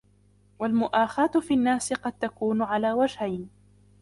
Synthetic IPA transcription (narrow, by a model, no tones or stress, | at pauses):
walmʊʔaːxaːt̪ʊfiːnːaːsɪqɑd̪̚t̪akuːnʊʕalaːwad͡ʒhajn